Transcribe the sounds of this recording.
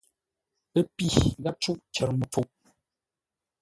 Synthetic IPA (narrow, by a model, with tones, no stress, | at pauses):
ə˦pi˦˨ɣa˦t͡ʃu˦ʔt͡ʃə˨ɾmə˨p͡fu˨ʔ